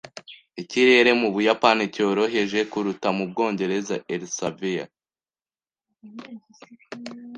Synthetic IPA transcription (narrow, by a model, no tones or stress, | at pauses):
iciɾe̞ɾe̞muβujapanico̞ːɾo̞ɦe̞ʒe̞kuɾutamub̚ɡo̞ːɲɟe̞ɾe̞zaʔeɾisavija̰